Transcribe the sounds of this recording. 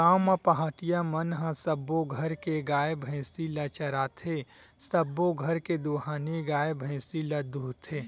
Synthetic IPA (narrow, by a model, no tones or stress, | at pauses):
aːmapaɦaːʈijamənɦãsəbːoɡʱɐɾkeɡaːebʱə̃silɐt͡ʃəɾaːt̪ʰe | səbːoɡʱɐɾked̪oːɦaːneɡaːjebʱə̃ːsilɐd̪uːɦt̪ʰeː